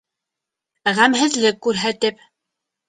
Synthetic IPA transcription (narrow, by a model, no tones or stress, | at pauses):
ʁæmɦɘ̆ðlɘkːʉɾɦæt̪ɘp